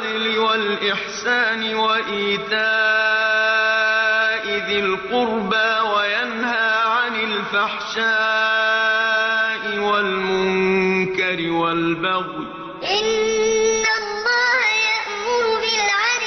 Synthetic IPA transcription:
d̪lɪwalʔɪħsaːnɪwaʔiːt̪aː | ʔɪd̪ɪlqʊɾbawajanhaːʕanɪlfaħʃaː | ʔɪwalmʊŋkaɾɪwalbaɣw | ʔʔɪnː | alˤːɑːhjaʔmʊɾʊbɪlʕa

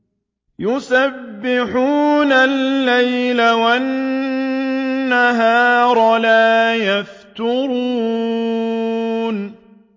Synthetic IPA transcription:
jʊsabːɪħuːnalːajlawan | aɦaːɾˤɑlaːjaft̪ʊɾuː | n

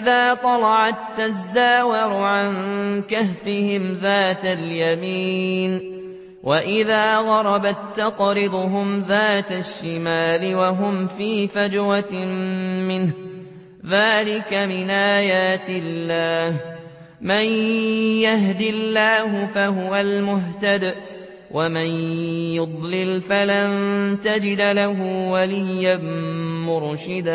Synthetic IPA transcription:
ɪðaːt̪ˤɑlɑʕat̪ːazːaːwɪɾʊʕankahfɪhɪmðaːt̪aljamiːn | wʔaʔɪðaːðɑɾˤɑbat̪ːɑqɾɪd̪ʊɦʊmðaːt̪aʃːɪmaːlɪwaɦʊmfiːfad͡ʒɾammɪnh | ðaːlɪkamɪnʔaːjaːt̪ɪlːaːh | manjaɦd̪ɪlːaːɦʊfaɦʊwalmʊɦt̪ad̪ | wʔamanjʊd̪ˤlɪlfalant̪ad͡ʒɪd̪laɦʊwalɪjːanmʊɾʃɪd̪a

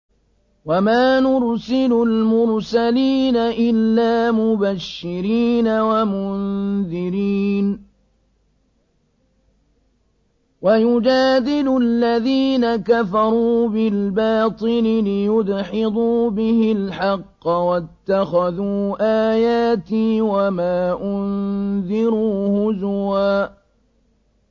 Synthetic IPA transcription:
wamaːnʊɾsɪlʊlmʊɾsaliːnaʔɪlːaːmʊbaʃːɪɾiːnawamʊnðɪɾiːn | wajʊd͡ʒaːd̪ɪlʊalːaðiːnakafɑɾˤuːbɪlbɑːt̪ˤɨlɪlɪjʊd̪ħɪd̪ˤuːbɪhɪlħɑqːɑwat̪ːaxaðuːʔaːjaːt̪ɪːwamaːʔʊnðɪɾuːhʊzwaː

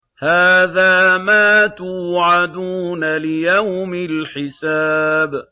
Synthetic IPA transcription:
haːðaːmaːt̪uːʕad̪uːnalɪjawmɪlħɪsaːb

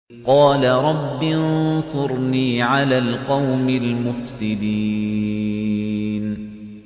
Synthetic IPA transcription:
qɑːlaɾˤɑbːinsˤʊɾniːʕalaːlqɑwmɪlmʊfsɪd̪iː | n

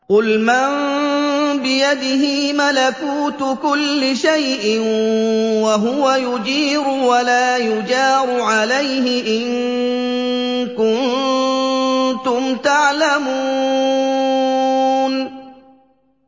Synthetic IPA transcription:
qʊlman | bɪjad̪ɪɦɪmalakuːt̪ʊkʊlːɪʃajʔɪn | waɦʊwajʊd͡ʒiːɾʊwalaːjʊd͡ʒɑːɾˤʊʕalajɦɪʔɪŋ | kʊnn | t̪ʊmt̪aʕlamuː | n

